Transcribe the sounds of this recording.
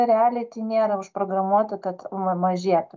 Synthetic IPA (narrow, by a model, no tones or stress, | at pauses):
ɐɾʲæːlʲɪt̪ʲiːnʲeːɾɐʊʃpɾoːɡɾɐmuɔt̪ɪkɐt̪mɐmɐʒʲiɛt̪ʊ